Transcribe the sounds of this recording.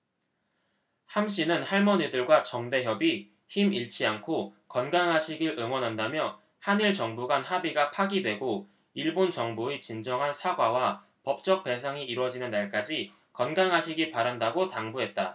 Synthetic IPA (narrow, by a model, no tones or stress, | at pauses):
hamɕ̬͈ʰinɯnhaɭmʌɲidɯɭɡwat͡ɕʌŋde̞ɦjʌbi | çimiɭt͡ɕʰiankʰokʌnɡaŋɦaɕʰiɡiɭɯŋwʌnɦandamjʌ | haniɭt͡ɕʌŋbuɡanhabiɡapʰaɡidwe̞ɡo | iɭbont͡ɕʌŋbuet͡ɕind͡ʑʌŋɦansʰaɡwawa | pʌp̚t͡ɕ͈ʌk̚p͈e̞s̬ʰaŋiːɾwʌd͡ʑinɯnːaɭk͈ad͡ʑi | kʌnɡaŋɦaɕʰiɡipaɾandaɡotaŋbuɦe̞t̚t͈a